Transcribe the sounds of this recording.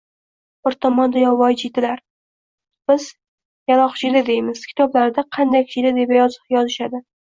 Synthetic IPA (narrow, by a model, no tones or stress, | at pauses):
bɪɾt̪ʰɒmɒnd̪ajɒvɒjd͡ʒit̪ɪlaɾ | b̥ɪz | jalˠɒχt͡ʃʰɪd̪ad̪e̞jmɪz̥kʲʰɪ̥t̪ʰɒblaɾɪd̪aqʰɑnd̪ajkʰʲt͡ʃʰɪd̪ad̪ebajjɒzɪʃad̪ɪ